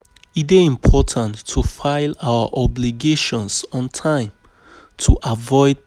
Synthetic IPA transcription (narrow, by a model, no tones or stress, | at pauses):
iteĩmpʰɔtʰãntʰːufaɪlawə̰ʔɔbliɡeʃɔ̃nsɔ̃ntʰãɪ̃m | tʰuʔavɔɪd̚